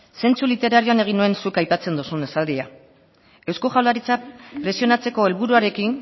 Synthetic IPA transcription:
se̞nt͡sulit̪e̞ɾaɾio̞ane̞ɣ̞inue̞nsukajpat͡se̞nd̪usune̞sald̪ia | ewskoʝawlaɾit͡sapɾe̞sio̞nat͡se̞ko̞e̞lβuɾuaɾe̞kin

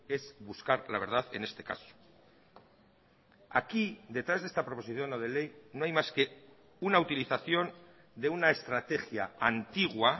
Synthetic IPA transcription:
e̞zβuskaɾla̰β̞e̞ɾð̞aðe̞̰ne̞st̪e̞ka̰so̥ | akid̪e̞t̪ɾazðest̪apɾo̞poiθjo̞noð̞e̞le̞jnoajmaske̞ | unaut̪iliθaθjo̞n | d̪e̞unaest̪ɾat̪e̞xja̰ant̪iɣwa

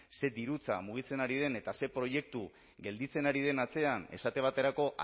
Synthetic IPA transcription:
se̞d̪iɾut͡samuɣ̞it͡se̞naɾiðe̞ne̞t̪ase̞pɾo̞je̞k̚t̪u | ɡe̞ld̪it͡se̞naɾið̞e̞nat͡se̞ane̞̰sat̪e̞β̞at̪e̞ɾako̞ʔ

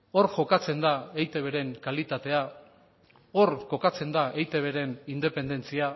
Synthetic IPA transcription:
o̞ɾʝo̞kat͡se̞nd̪aejt̪e̞β̞e̞ɾe̞ŋkalit̪at̪e̞a | o̞ɾko̞kat͡se̞nd̪aejt̪e̞βe̞ɾe̞nind̪e̞pe̞nd̪e̞nt͡sia

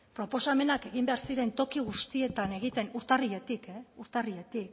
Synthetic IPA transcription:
pɾo̞po̞same̞nake̞ɣ̞imbe̞aɾsiɾe̞nt̪o̞kiɣ̞ust̪ie̞t̪ane̞ɣ̞it̪e̞nuɾt̪ariʎe̞t̪ikeuɾt̪ariʎe̞t̪ik

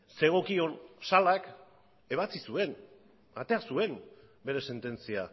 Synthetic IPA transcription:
se̞ɣ̞o̞kio̞nsalak | e̞β̞at͡sisue̞n | a̰t̪e̞asue̞n | be̞ɾe̞se̞nt̪e̞nt͡sia

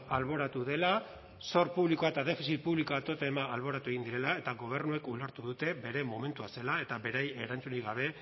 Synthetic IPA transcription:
alβo̞ɾat̪uðe̞la | so̞ɾpuβlikoaet̪aðe̞fisit̪̚puβliko̞at̪o̞t̪eemaːlβo̞ɾat̪ue̞ɣind̪iɾe̞lae̞t̪aɣo̞β̞e̞rnue̞kuleɾt̪uðut̪e̞be̞ɾe̞mo̞me̞nt̪uase̞lae̞t̪aβe̞ɾaje̞ɾant͡suniɣaβ̞e̞

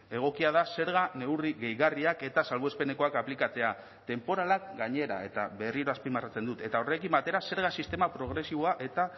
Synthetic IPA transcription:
e̞ɣ̞o̞kiað̞ase̞ɾɣane̞wriɣe̞jɣariake̞t̪asalβoespe̞ne̞ko̞akaplikat͡se̞a | t̪e̞mpo̞ɾalak̚ɡaɲe̞ɾa̰e̞t̪a̰βe̞riɾo̞aspimarat͡send̪ut̪e̞t̪ao̞re̞kimbat̪e̞ɾase̞ɾɣ̞asist̪e̞mapɾo̞ɣ̞ɾe̞siβo̞aʔe̞t̪a

